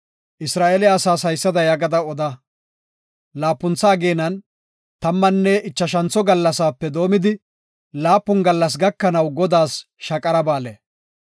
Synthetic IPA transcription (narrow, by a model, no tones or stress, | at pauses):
ʔɪsɾaːʔeːlɪɐsaːsɐjsːɐd̪ɐjɐɡɐd̪ɐɔd̪ɐ | laːpːʊnt͡sːaːɡeːnɐn | t̪ɐmːɐnːɛɪt͡ʃːɐʃɐnt͡sːɔɡɐlːɐsaːpːɛd̪o̞ːmɪd̪ɪ | laːpːʊnɡɐlːɐs̬ɡɐkːɐnɐwɡɔd̪aːs | ʃɐkʼɐɾɐbaːle